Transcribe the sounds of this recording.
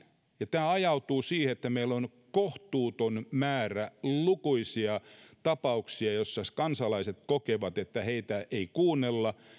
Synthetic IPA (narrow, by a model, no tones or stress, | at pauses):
jɑt̪æːɑjɑut̪uːsiːheet̪ːæmeilːon | koht̪uːt̪onmæːrælukuisiɑt̪ɑpɑuksiɑjosːɑskɑnsɑlɑiset̪̚kokeʋɑt̪et̪ːæheit̪æʔeikuːnːelːɑ